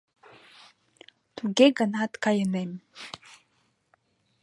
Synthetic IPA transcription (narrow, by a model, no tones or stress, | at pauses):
t̪uɡʲeɡanat̪kajənem